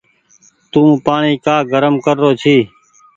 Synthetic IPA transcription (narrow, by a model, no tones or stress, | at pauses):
t̪ũːpaːɳiːkaːɡəɾəmkəɾːoːt͡ʃʰiː